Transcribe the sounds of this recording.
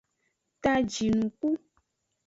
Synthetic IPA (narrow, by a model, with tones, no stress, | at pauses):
t̪a˦d͡ʒi˨nũ˨ku˦